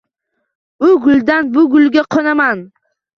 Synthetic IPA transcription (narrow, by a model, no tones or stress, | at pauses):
ʊɡʊld̪anbʊɡʊlɡʲaqʰɒnaman